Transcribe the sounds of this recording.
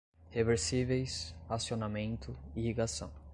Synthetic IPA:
heveɾsivejshasionamẽnt̪ʊihiɡasɐ̰̃w̃

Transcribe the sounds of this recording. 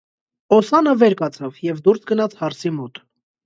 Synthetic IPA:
ɔsɑnəvɛɾkɑt͡sʰɑvjɛvd̪uɾsɡənɑt͡sʰhɑɾt͡sʰimɔt̪

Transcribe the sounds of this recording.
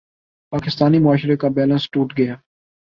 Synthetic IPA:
paːkɪst̪aːnimʊaːʃɾekabɛːlə̃nsʈuːʈɡɐjaː

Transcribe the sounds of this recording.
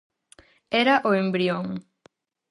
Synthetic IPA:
eɾaʔoembɾioŋ

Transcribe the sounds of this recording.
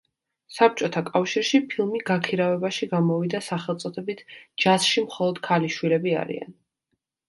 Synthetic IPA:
sap̚t͡ʃʼɔt̪ʰakʼafʃiɾʃipʰilˠmiɡakʰiɾavɛbaʃiɡamɔvid̪asaχɛlˠt̪sʼɔt̪ʰɛbit̪ʰd͡ʒasʃimχɔlˠɔd̪̥kʰaliʃwilɛbia̰ɾḭa̰n

